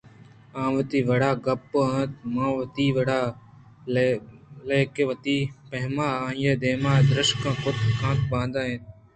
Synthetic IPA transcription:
ãːʋət̪iːʋɐɽaːɡɐpːãːt̪mãːʋɐt̪iːʋəɽaː | leːkeʋət̪iːpɐɦmaːãːjeːd̪eːmaːd̪ɾɪʃkãːkʊt̪kãːt̪bãːd̪ãːɦẽːt̪

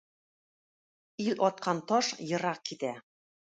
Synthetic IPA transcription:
ilɒt̪̚qɑnt̪oʃjɤ̆ɾɑkːit̪æ

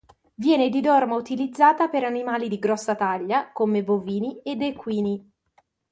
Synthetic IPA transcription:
vjɛːned̪id̪ɔrmaut̪ilid̪zːaːt̪apeɾanimaːlid̪iɡɾɔsːat̪aʎːakomeboviːnied̪ekwiːni

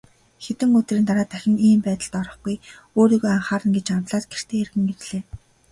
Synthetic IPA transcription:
xet̪ɘ̆ŋɵt̪riːnt̪aɾaːt̪ʰæxʲɪ̆ŋiːmpæːt̪ə̆ɮt̪ɔɾɞ̆χɡuj | oːɾiːɣoːaɴχaːɾə̆nɡet͡ɕamt̪ɮaːt̪ɡer̥t̪ʰeːerɣɘ̆ŋerɮeː

